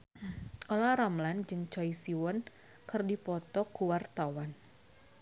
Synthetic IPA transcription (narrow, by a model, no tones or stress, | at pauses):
ʔɔlaɾamland͡ʒɨŋt͡ʃɔisiwɔn | kɨrdipɔt̪ɔkuwart̪awan